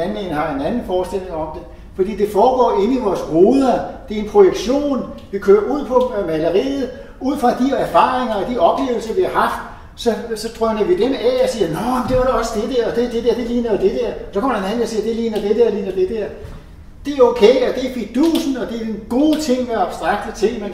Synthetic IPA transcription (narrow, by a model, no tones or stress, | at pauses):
ænmenəhɑ̈e̝nænn̩fɒːsd̥el̰e̝ŋɒ̽md̥e̝ | fɒ̽d̥ḭːd̥e̝fɒːɡ̥ɒ̰ːe̝niʋɒːsʁoːðˠɐd̥e̝ɐe̝npʰʁo̝jeɡ̥ɕo̝̰ːnʋikʰøːɐuð̰ˠpʰɒ̽mæləʁḭːð̩ˠ | ʔuð̞̰ˠfʁɑ̈d̥iæɐfɑ̰̈ːʁeŋɐɒ̽d̥iɒ̽b̥le̝̰ːʊl̩sɐʋihɑ̈hɑ̈fd̥ | sɒ̽sɒ̽d̥ʁœnɐʋid̥emæɒ̽siːɐnɒmd̥e̝ʋɑ̈ɾeɒ̽səd̥e̝d̥eɐ̰ɒ̽d̥ed̥e̝d̥eɐd̥e̝liːnˠd̥e̝d̥ɛɐ̰sɒkʰɒm̰ɐdenæenɐsiːɐd̥e̝liːnɐd̥e̝d̥eɐliːnɐd̥ed̥eɐ̰ | d̥e̝æɐoʊkʰeɪɒ̽d̥efi̥d̥uːsn̩ɒ̽d̥e̝ɡ̥o̝ːt͡sʰe̝ŋ̰ʋeɐɑ̈b̥sd̥ʁɑ̈ɡ̥̚d̥ət͡sʰe̝lmen